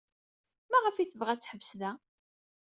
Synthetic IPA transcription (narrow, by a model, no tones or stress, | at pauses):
mæʁəfiθəvʁæt͡sːħəvsðæ